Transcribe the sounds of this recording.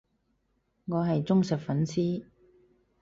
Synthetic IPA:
ŋɔː˨˧ɦɐ˨jt͡sʊ˥ŋsɐ˨t̚fɐ˨˥nsiː˥

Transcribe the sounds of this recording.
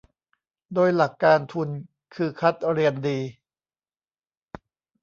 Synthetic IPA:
doː˧jla˨˩kːaː˧nt̪ʰu˧n | kʰɯː˧kʰa˦˥t̪̚ɾi˧əndiː˧

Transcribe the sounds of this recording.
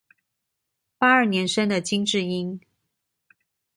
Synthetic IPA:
pa˥ə˞˥˩njɛ˧˥nʂə˥ŋd̪ə˨t͡ɕi˥ŋʈ͡ʂɻ̩˥˩i˥n

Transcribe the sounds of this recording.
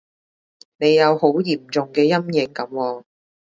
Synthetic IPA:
ne˨˧jɐ˨˧who˨˥wjiː˨˩mt͡ʃʊ˨ŋkɛː˧jɐ˥mjɪ˨˧ŋkɐ˨˥mwɔː˧

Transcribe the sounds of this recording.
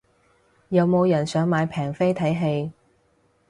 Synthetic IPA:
jɐ˨˧wmo˨˧wjɐ˨˩nsœː˨˥ŋmaː˨˧jpʰɛː˨˩ŋfe˥jt̪ʰɐ˨˥jɦe˧j

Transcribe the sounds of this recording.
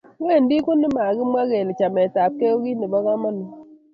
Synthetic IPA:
we˦˨n˦di˦ku˦nːi˦ma˨ɡi˦mwa˦ɣe˨li˨t͡ʃa˨mɛ˨ta˨p̚ke˦o˦ɡi˦ni˨bɔ˦ɣa˦ma˦nu˨

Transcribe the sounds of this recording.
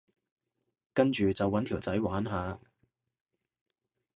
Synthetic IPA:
kɐ˥nt͡ʃyː˨t͡sɐ˨wːɐ˨˥nt̪ʰiː˨˩wt͡sɐ˨˥jwaː˨˥nɦaː˨˧

